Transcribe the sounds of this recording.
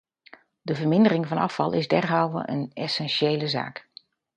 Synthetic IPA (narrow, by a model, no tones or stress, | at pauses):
dəvəɹmɪndərɪŋvɑnɑfɑlˠɪzdɛɹɦaːwə̰ʔə̰nɛsɛnʃejləza̰ːk